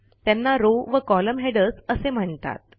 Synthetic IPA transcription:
t̪anːaɾoʋəkɔləmɦeɽəsəsem̤əɳt̪a̰t̪̚

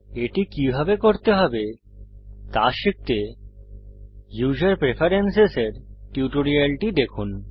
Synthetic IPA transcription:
eʈikibʱabekoɾt̪eɦɔbe | t̪aʃik̚t̪e | juʃaɾpɾefʰaɾenseseɾʈiuʈoɾialʈid̪ekʰun

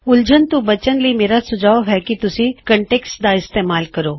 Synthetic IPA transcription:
ʊld͡ʒənt̪ubɐt͡ʃənləimeːɾasʊd͡ʒaːʋɦɛkit̪ʊsĩkə̃ɳʈeːksʈd̪aɪst̪eːmaːlkəɾoː

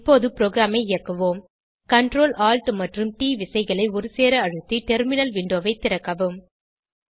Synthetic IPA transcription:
ɪpːoːðɯpɪɾoːɡɪɾaːmɐɪɪjɐkːɐʋoːm | kɐɳɖɾoːlaːlʈmɐʈrɯmʈiːʋɪsɐɪɣɐɭɐɪɔɾɯseːɾɐɐɻɯt̪ːiʈɛɾmɪnɐlʋɪɳɖoːʋɐɪt̪ːɪɾɐkːɐʋɯm

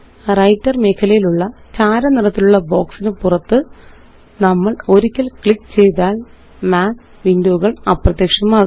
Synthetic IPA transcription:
rɐjtːɐrme̞ːkʰːɐlɐjiluɭːɐt͡ɕaːɾɐnirɐt̪ːiluɭːɐbo̞ːksinɨpurɐt̪ːɨ | nɐmːɐɭo̞ɾikʲːɐlkɭikːt͡ɕe̞jt̪aːl | maːn | ʋindɐʋuɣɐɭɐprɐt̪jɐkʂɐmaːɣ

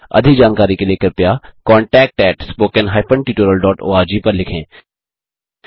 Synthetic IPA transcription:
ɐ̰d̪ʱɪkd͡ʒaːnkaːɾikeleːkəɾpjaːkɔ̃ːɳʈɛːk̚ʈɛːʈspoːkənɦaːɪpə̃ɳɖʈiːʈoːɾəlɖɔːʈo̰ːaːɾd͡ʒiːpɐɾlɪkʰẽː

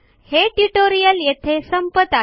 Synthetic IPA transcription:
heʈuʈoɾijəljet̪ʰesəmpət̪a

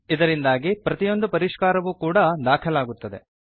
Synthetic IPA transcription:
id̪ɐɾind̪aːɡipɾɐt̪ijo̞nd̪upɐɾiʃkaːɾɐʋukuːɽɐd̪aːkʰɐlaːɡut̪ːɐd̪e̞̰

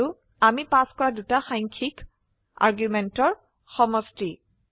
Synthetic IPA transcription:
ʊ | amipaskɔɹadutaxajŋkʰik | a̰ɹɡjumɛntɔɹ | xɔmɔsti

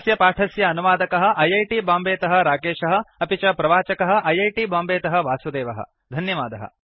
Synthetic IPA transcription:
sjɐpaːʈʰɐsjɐːnuʋaːd̪ɐkɐɦɐ̆ʔɐjɐjʈibaːmbeːt̪ɐɦɐ̆ɾaːkeːʃɐɦɐ̆ɐpit͡ʃɐpɾɐʋaːt͡ʃɐkɐɦɐ̆ʔɐjɐjʈibaːmbeːt̪ɐɦɐ̆ʋaːsud̪eːʋɐɦɐ̰ | d̪ʱɐnjɐʋaːd̪ɐɦɐ̰

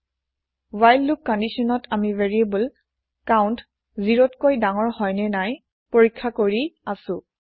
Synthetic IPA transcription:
wajlːukːɔndisɔnɔtʰamivɛɹiebul | kawnt | ziɹotkojdaŋɔɹhɔjnɛnaj | poɹikʰːakoɹiasʊ̃

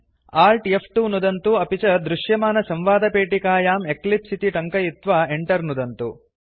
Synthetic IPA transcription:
aːlʈjefʰʈunud̪ɐnt̪uɐpit͡ʃɐd̪ɾuʂjɐmaːnɐsɐmʋaːd̪ɐpeːʈikaːjaːme̞klipsit̪iʈɐŋkɐjit̪ʋaeɳʈɐɾnud̪ɐnt̪u

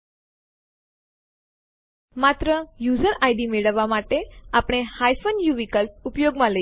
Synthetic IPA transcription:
mat̪ɾəjud͡zəɾaiɖimeɭəʋːamaʈeapɽ̃ehajfənjuʋikəlʈ̚upjoɡmãlə

